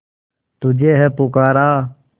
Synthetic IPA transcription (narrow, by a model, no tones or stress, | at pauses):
t̪ud͡ʒeːɦepukaːɾaː